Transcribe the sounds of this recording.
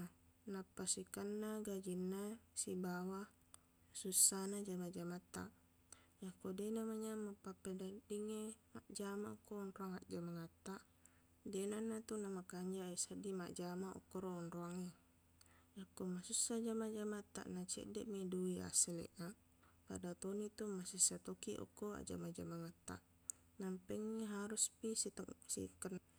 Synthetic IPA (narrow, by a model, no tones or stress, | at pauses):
anapːasikanːaɡad͡ʒinːasibawa | susːanad͡ʒamad͡ʒamat̪ːa̰ʔ | jakodenamaɲamapːapːedadiŋemaʔd͡ʒamaukːoːnroaŋaʔd͡ʒamaŋat̪ːaʔ | denanːat̪unamakaɲd͡ʒaesadimaʔd͡ʒamaʔṵkːoɾoɔnroaŋe | jakːomasusːad͡ʒamad͡ʒamat̪ːa̰ʔnat͡ʃɛ̰ʔdɛʔmiduia̰selḛʔna | pa̰dat̪onit̪umasusːat̪okiʔo̰kːoa̰ʔd͡ʒa̰mad͡ʒamaŋat̪ːa̰ʔ | nampɛŋːeɦaɾuspisit̪sḭkːən